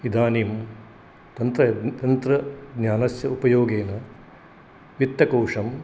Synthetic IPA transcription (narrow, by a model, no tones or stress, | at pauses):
id̪ʱaːniːm | t̪ɐnt̪ɾɐt̪ɐnt̪ɾɐɡnʲaːnɐsjɐupɐjoːɡeːnɐ | ʋit̪ːɐkoːʂɐm